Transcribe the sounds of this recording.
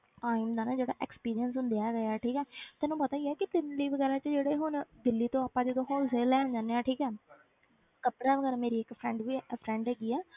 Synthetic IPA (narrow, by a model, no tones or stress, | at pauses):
ʈaːɪmd̪aːnaːd͡ʒeːɽa̰ːʔɛkspiːɾijənsɦʊ̃nd̪ejaːɡəaːʈʰiːkɛːt̪ɛːnũːpət̪aːɡɛːkɪt̪ɪnliːʋəɡɛːɾãːt͡ʃəd͡ʒeːɽeːɦʊnd̪ɪlːiːt̪õːaːpːãːd͡ʒed̪õːɦoːseːlɛːɦʊ̃nd͡ʒaːneːaːʈʰiːkɛː | kəpɽaːʋəɡɛːɾameːɾiːɪkpʰɾɛ̃ːɳɖʋiːpʰɾɛ̃ːɳɖɦɛːɡiːɛː